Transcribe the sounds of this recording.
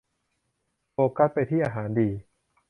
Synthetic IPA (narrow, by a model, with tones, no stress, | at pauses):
poː˧ka˦˥t̪̚pa˧jt̪ʰiː˥˩ʔaː˧ɦaː˩˦ndiː˧